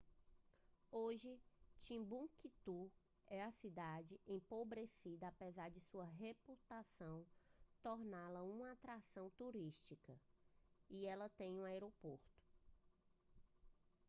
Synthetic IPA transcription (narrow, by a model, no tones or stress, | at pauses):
oʒɪt͡ʃĩbũkit̪u | ɛɐsid̪ad͡ʒɪʔẽpobɾesid̪ɐapezaɾd͡ʒɪsuɐɦeput̪asɐ̃w̃t̪ɔɾnalɐũmɐat̪ɾasɐ̃w̃t̪uɾiʃt͡ʃikɐ | iɛlɐt̪ẽj̃ũaeɾopoɾt̪ʊ̥